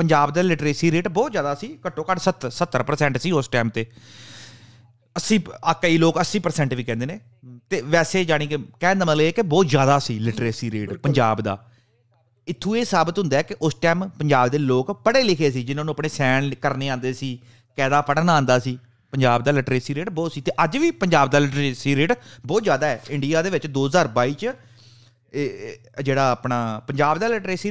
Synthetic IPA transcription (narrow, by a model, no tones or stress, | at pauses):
pəɲd͡ʒaːbd̪aːlɪʈɾeːsiːɾeːʈbɔːt̪zjaːd̪aːsiːkəʈːõːkaɖsət̪sət̪ːəɾpəɾsɛ̃ːɳʈsiːʊsʈɛːmt̪eː | əsĩːakəiːloːkəsiːpəɾsɛ̃ːɳʈʋiːkɛ̃nd̪eːneː | t̪eːʋɛːseːd͡ʒaːɽ̃iːkekɛ̃ːnd̪əməleeːkebɔːt̪zjaːd̪aːsiːlɪʈɾeːsiːɾeːʈpəɲd͡ʒaːbd̪a̰ː | ɪt̪ʰːũːeːsaːbət̪ɦʊnd̪aːɛːkɪʔʊsʈɛːmpəɲd͡ʒaːbd̪eːloːkpəɽeːlɪkʰeːs̬iːd͡ʒɪnãːnũːəpɳeːsɛːnkəɾneːãːnd̪eːsiː | kɛːd̪aːpəɽnãːnd̪aːsiː | pəɲd͡ʒaːbd̪aːlɪʈɾeːsiːɾeːʈbɔːt̪siːt̪eːʔəd͡ʒʋiːpəɲd͡ʒaːbd̪aːlɪʈɾeːsiːɾeːʈbɔːt̪zjaːd̪aːɛːɪ̃ɳɖijaːd̪eːʋɪt͡ʃd̪oːɦəzaːɾbaːiːt͡ʃ | d͡ʒeːɽaːəpnaːpəɲd͡ʒaːbd̪aːlɪʈɾeːsiː